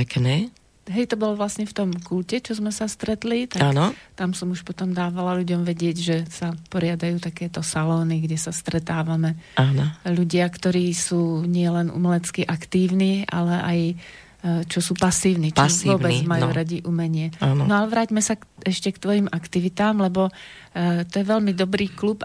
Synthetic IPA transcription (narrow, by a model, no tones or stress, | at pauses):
pɛknɛː | ɦɛjt̪ɔbɔlɔʋlasɲɛft̪ɔmkulcɛt͡ʃɔzmɛsast̪ɾɛt̪lit̪aakːnɔt̪amsɔmuʃpɔt̪ɔmd̪aːʋalaluɟɔmʋɛɟɪɛɟʒɛsapɔɾɪad̪ajuːt̪akɛːt̪ɔsalɔːniɡɟɛsast̪ɾɛt̪aːʋamɛaːnɔʎuɟɪakt̪ɔɾiːsuːɲɪɛlɛnṵmɛlɛt͡skiʔakt̪iːʊniːa̰lɛʔaj | t͡ʃɔsuːpasiːʊniːt͡ʃamsiʊɔbɛd͡zmajuːɾaɟiʔumɛɲɪɛannɔalɛʋɾaːɟmɛsaɛʃcɛkt̪ʋɔjimʔakt̪iʋit̪aːmlɛbɔ | t̪ɔjɛʋɛʎmid̪ɔbɾiːklup